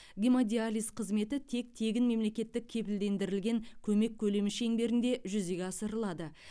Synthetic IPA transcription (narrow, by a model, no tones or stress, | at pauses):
ɡʲimod̪ʲialʲijsqʰəzme̞t̪ɪt̪ʰe̞k̚t̪ʰe̞ɡʲɪnme̞mle̞kʲe̞t̪ːɪk̚ʲʰe̞pɪld̪e̞nd̪ɪɾɪlɡʲe̞ŋkʲʰɵme̞kʲʰːɵle̞mɪʃeŋbe̞ɾɪnd̪e̞ʒʏze̞ɡʲeɑsəɾəlˠɑd̪ə